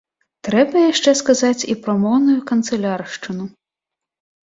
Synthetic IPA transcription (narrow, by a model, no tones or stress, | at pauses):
t̪ɾɛbɐjaʂt͡ʂɛskazat͡sʲipɾɔmɔwnujukɐnt̪sɛlʲarʂt͡ʂɨnu